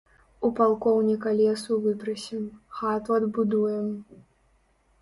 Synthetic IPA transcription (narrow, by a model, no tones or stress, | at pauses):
upalˠkɔwnʲikalʲɛsuvɨpɾɐsʲɛmxat̪uɐd̪bud̪ujɛm